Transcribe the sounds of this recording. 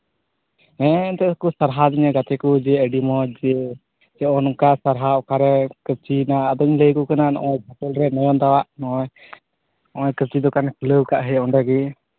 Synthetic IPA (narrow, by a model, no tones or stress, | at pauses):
ɛ̃nt̪ɛkusaɾɦad̪iɲaɡat̪ɛkud͡ʒɛəɖimɔd͡ʒɛ | d͡ʒɛɔnkasaɾɦaɔkaɾɛkəp̚t͡ʃinaːd̪ɔɲləjkɔkananɔ̰ʔɔjbat̪ɛlɾɛnɔjɔnd̪awaʔnɔɔj | ɔʔɔ̃jkəp̚t͡ʃid̪ɔkankʰləwkaʔɦəjɔɳɖaɡi